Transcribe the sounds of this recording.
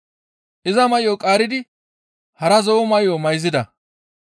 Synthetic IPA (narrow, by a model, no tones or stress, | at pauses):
ʔɪzɐmɐjokʼaːɾɪd̪ɪ | hɐɾɐzoːmɐjːomɐjzɪd̪ɐ